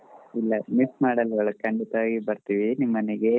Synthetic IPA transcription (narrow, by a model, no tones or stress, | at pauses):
ilːɐmismaːɽɐlɡɐɭukɐɳɖit̪ɐʋaːɡibɐɾt̪iːʋinimːɐnɛɡe̞